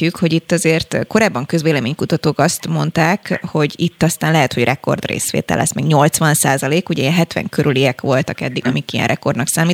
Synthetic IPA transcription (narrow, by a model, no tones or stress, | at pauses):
ykho̞ɟit̪ːɒzeːrt̪ko̞ɾaːbːɒŋkø̞zʋeːlɛmeːɲkut̪ɒt̪oːkɒst̪mo̞nt̪aːkho̞ɟit̪ːɒst̪aːnlɛɦɛt̪ho̞ɟrʔɛko̞̰rd̪rḛːsʋḛːt̪ɛ̰lːɛ̰smɛɡɲo̞lt̪sʋɒnsaːzɒleːkuɟɛiɛnɦɛt̪ʋɛ̰ŋkʰøɾyliɛkʋo̞lt̪ɒkɛd̪ːiɡɒmikijɛ̰nrɛko̞rd̪nɒksaːmiː